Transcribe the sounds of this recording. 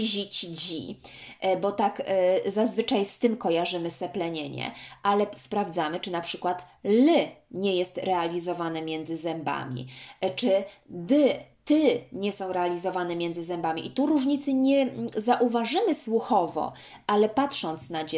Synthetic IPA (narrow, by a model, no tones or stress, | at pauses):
ʑit͡ɕd͡ʑḭ | bɔt̪akzazvɘt͡ʂajst̪ɘmkɔjaʐɘmɘsɛplɛɲeɲɛ̰ʔalɛspɾavd̪zamɘt͡ʂɘnapʂɘkwat̪lɘɲɛjɛst̪ɾɛalʲizɔvanɛmʲjɛnd̪zɘzɛmba̰mʲḭt͡ʂɘd̪ɘt̪ɘɲɛsɔ̃w̃ɾɛalʲizɔvanɛmʲjɛnd̪zɘzɛmbamʲiʔit̪uɾuʐɲit̪sɘɲɛzaʔuvaʐɘmɘswuxɔvɔ̰ | ʔalɛpatʂɔnt̪snad͡ʑ